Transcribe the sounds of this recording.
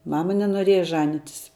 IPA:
ˈmɑːmɐ nʲɛnoːˈrʲiɛjɛ ˈʒɑːnʲɪtʲɪs

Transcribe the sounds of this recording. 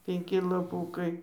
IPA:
pʲɛŋʲˈkʲɪ lˠɐˈpuːkɐɪ

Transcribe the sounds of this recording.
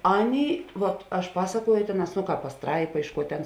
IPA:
ˈɑːˌnʲeːɪ ˈʋɐt ɐʃ ˈpɑːsɐˌkuɔjʊ ˈtʲeːˌnɑːs ˈnoː ˈkɑːp pɐˈstrɐɪpɐ ˈɪʃ ˌkuɔ ˈtʲeːn

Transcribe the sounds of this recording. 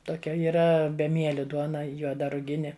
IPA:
toːˈkʲɛ iːˈrɐ bʲɛˈmʲiɛlʲɪ ˈduɔnɐ juɔˈdɐ rʊˈɡʲɪnʲɪ

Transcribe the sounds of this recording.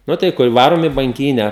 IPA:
ˈnʊ tɐɪ ˈkʊr ˈʋɑːroːm ɪ bɐŋʲˈkʲiːnʲæː

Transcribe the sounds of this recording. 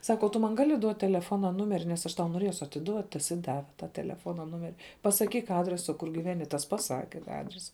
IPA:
ˈsɑːkɐ oː tʊ ˈmɐn ˈɡɑːlʲɪ duɔt tʲɛlʲɛˈfoːnɐ ˈnʊmʲɛrʲɪ nʲɛs ˈɐʃ ˈtɐʊ noːˈrʲiɛsʊ ɐtʲɪˈduɔt tɐs ɪ ˈdɑːʋʲɛ tɐ tʲɛlʲɛˈfoːnɐ ˈnʊmʲɛrʲɪ pɐsɐˈkʲiːk ˈɑːdʲrʲɛsɐ ˈkʊr ɡʲɪˈʋʲæːnʲɪ ˈtɐs pɐˈsɑːkʲɛ tɑː ˈɑːdʲrʲɛsɐ

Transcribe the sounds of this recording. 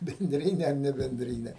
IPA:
bʲɛnʲˈdʲrʲɪnʲɛ ɐr nʲɛbʲɛnʲˈdʲrʲɪnʲɛ

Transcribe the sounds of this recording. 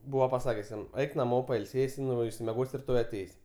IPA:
ˈbuːʋɐ pɐˈsɑːkʲɛs ˈjɛm ˈɛɪk nɐˈmoː pɐɪlʲˈsʲeːsʲɪ ˈnʊ ɪʃʲsʲɪmʲɛˈɡoːsʲ rʲɪˈtoːj ɐˈtʲɛɪsʲ

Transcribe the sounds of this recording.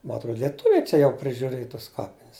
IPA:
mɐ ɐtˈroːt lʲiɛˈtʊʋʲɛɪ ˈt͡ʃʲɛ jɛʊ pʲrʲɪʒʲʊˈrʲeːj tɐs ˈkɑːpʲɪnʲɪs

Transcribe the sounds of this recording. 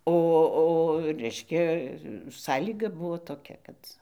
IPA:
ˈoː oː ˈrʲɛɪʃʲkʲɛ ˈsɑːlʲiːɡɐ ˈbʊʋoː toːˈkʲɛ ˈkɐt

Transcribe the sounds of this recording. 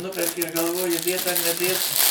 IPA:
ˈnʊpʲɛrʲkʲɪ ɪr ɡɐlˠˈʋoːjɪ ˈdʲeːt ɐr nʲɛˈdʲeːt

